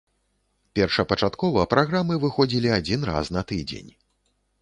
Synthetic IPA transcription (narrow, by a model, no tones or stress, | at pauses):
pʲɛrʂɐpɐt͡ʂat̪kɔvɐpɾaɣɾamɨvɨxɔd͡zʲilʲiad͡zʲin̪ra̰snɐt̪ɨd͡zʲḛnʲ